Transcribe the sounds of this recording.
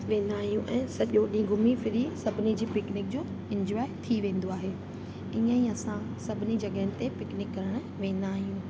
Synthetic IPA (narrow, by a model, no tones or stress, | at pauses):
ʋẽːn̆d̪aːɦijũʔɛ̃ːsɐʄoɗĩːɡʱʊmifɪɾisɐbʱɪnid͡ʑiːpɪknɪk̚d͡ʑoː | ɪ̃ɲd͡ʑɾɔːɪt̪ʰiʋẽːn̆d̪oaːɦe | iːə̃iɐsã | sɐbʱɪnid͡ʑɐɠəɦɪnɪ̆t̪epɪknɪkːɐɾəɽ̃ | ʋẽːn̆d̪aːɦijũː